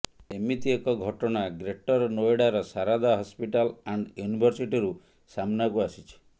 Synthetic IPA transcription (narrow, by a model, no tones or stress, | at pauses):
emit̪iekɔɡʱɔʈɔñaɡɾeʈɔɾɔnoeɽaɾɔsaɾad̪aɦɔspiʈalaɳɖjunibʱɔɾsiʈiɾu | samnakuasit͡ʃʰi̥